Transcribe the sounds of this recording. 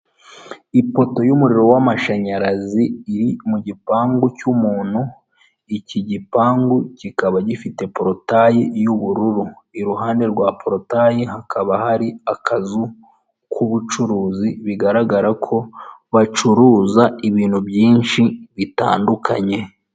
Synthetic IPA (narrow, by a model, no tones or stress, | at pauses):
ipo̞to̞jumuɾiɾo̞wamaʃaɲaɾaziːɾimuɟipaːŋɡucumuːn̥hu | iciɟipaːŋɡucikaβaɟifite̞pɾo̞tajijuβuɾuɾuiɾuɦaːnde̞ɾɡwapɾo̞tajiɦakʰaβahaɾiakazu | kʰuβut͡ʃuɾuːziβiɡaɾaɡaɾakʰo̞βat͡ʃuɾuːzaiβiːnhubjiːnʃiβita̰ːndukʰaɲe̞